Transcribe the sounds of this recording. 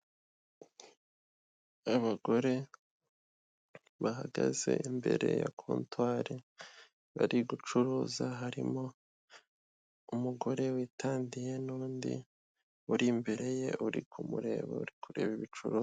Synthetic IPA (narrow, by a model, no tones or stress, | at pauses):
aβaɡo̞ɾe̞ | βaɦaɡa̰ze̞̰imbe̞̰ɾe̞̰jakʰuːntwaːɾe | βaɾiɡut͡ʃuɾuːzaɦaɾimo̞ | umuɡo̞ɾe̞wiːtʰaːndije̞nuːndḭ | uɾimbe̞ɾe̞je̞ʔuɾḭkʰumuɾe̞̰ːβo̰uɾikʰuɾe̞βiβit͡ʃuɾuː